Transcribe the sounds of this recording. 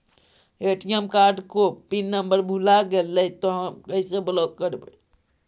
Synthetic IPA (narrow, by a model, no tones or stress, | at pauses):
eʈijəmkaɾɖkopinːəmbəɾbʱulaɡelːət̪oɦəmkəɦseblokkəɾbə